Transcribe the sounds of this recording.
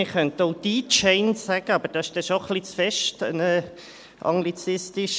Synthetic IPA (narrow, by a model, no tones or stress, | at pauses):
ɪχœntoʊd̥̪iːt͡ʃɛɪnssæɡ̥əɑbəɾd̥ɑɪʃd̥ɛʃoχlit͡sfɛʃtə̰nə | ʔɑ̰ŋɡlit͡sɪstɪʃ